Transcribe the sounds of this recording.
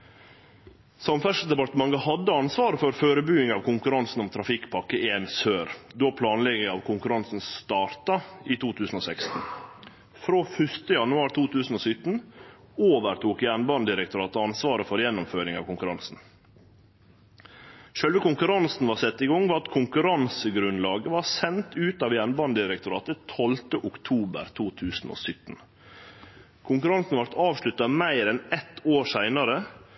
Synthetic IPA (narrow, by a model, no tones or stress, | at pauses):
sɑmfæʂl̩d̪ɛpɑt̪əmɑŋəhɑd̪ːəɑnsʋɑːɾəfɔɾføːɾəbyːɪŋɑːʋkʊŋkʉɾɑnsn̩ɔmt̪ʰɾɑfɪkːpʰɑkːəʔeːnsøːɾd̪oːpʰlɑːnlɛɡəɑːʋkʰʊŋkʉɾɑnsn̩sst̪ɑːɾt̪ɑiːt̪ʰuːt̪ʰʉːsn̩oːsɛkst̪n̩ | fɾoːfœʂt̪əjɑnʉɑːɾt̪ʰuːt̪ʰʉːsn̩oːsʏt̪n̩ | oːʋəɾt̪ʰuːkjænbɑnd̪ɪɾɛk̚t̪ʊɾɑːt̪əɑnsʋɑːɾəfɔɾjɛnːʊmføːɾɪŋɑ̰ːʋkʊŋkʉɾɑnsn̩ | ʃœlʋəkʊŋkʉɾɑnsn̩ʋɑːɾsɛt̪ːɪɡɔŋːʋɑːɑt̪kʰʊŋkʉɾɑnsəɡɾʉnlɑːɡəʋɑːɾsɛnt̪ʉːt̪ɑːʋjænbɑnd̪ɪɾɛk̚t̪ʊɾɑːt̪ət̪ʰɔlt̪əʔʊkt̪ʰuːbə̰ɾt̪ʰuːt̪ʰʉːsn̩o̰ːsʏt̪ːn̩ | kʰʊŋkʉɾɑnsn̩ʋɑɾt̪ɑːʋʂɭʉt̪ːɑmæɪɾɛnɛt̪ːoːɾʂæɪnɑɾə